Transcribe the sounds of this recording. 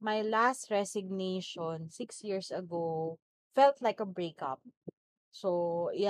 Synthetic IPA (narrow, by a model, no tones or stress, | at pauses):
mɐjlast̪ɹɛsɪɡ̚nejʃɔnsɪksjiɹsɐɡo | fɛlt̪lajkɐbɹeɪkɐ̰p̚ | so